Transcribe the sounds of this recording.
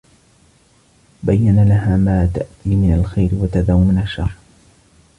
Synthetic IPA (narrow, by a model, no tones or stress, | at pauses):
bajːanalahaːmaːt̪aʔt̪iːmɪnalxajɾɪwat̪ad̪aːwmɪnaʃːɑrˤ